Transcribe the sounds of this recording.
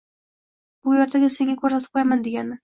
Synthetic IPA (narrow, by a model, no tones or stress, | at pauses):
b̥ʊjɒɾt̪ʰaɡʲaseŋɡʲakʲʰɵɾsat̪ʰɪ̥p̚qʰojamand̪eɡʲanɪ